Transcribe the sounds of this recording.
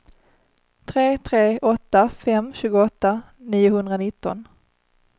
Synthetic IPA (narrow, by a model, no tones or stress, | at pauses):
t̪ʰɾeːt̪ʰɾeːʔɔt̪ːafɛmːɕʉ̟ːɡʊɔt̪ːa | niːjʊhɵnd̪ɾanɪt̪ːɔ̰n